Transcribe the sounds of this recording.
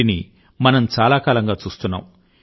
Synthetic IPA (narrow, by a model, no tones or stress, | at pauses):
ini | mɐnɐmt͡ʃaːlaːkaːlɐŋɡaːt͡ʃuːst̪unːa̰ːm